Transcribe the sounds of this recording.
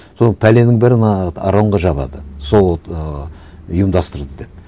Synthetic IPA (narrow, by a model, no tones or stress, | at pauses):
sonpʰæle̞nɪŋbæɾɪnɑɑ̰ɾoɴʁɑʒɑβɑ̰d̪əso̞lˠ | ujəmd̪ɑst̪əɾd̪əd̪e̞p̚